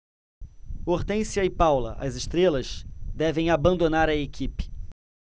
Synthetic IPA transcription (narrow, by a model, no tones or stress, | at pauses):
oɾt̪ẽsjɐɪpawlɐ̰ʔɐ̰zɪʃt̪ɾelɐzd̪ɛvẽj̃abɐ̃nd̪onaɾɐekʲʰipɪ̥